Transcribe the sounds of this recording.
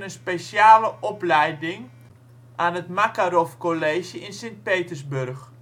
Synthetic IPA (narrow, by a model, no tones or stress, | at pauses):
nənspesjaːləʔɔplɛjdɪŋ | ʔaːnətmakaɾofkoleːʃjəɪnsent̚peːtərsbørx